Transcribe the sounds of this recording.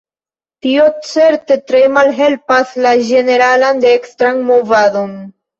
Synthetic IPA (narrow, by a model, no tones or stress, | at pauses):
tio̞t͡se̞ɾte̞tɾemalɦe̞lpaslaʒe̞ne̞ɾaland̪eekstɾaŋmo̞vado̞n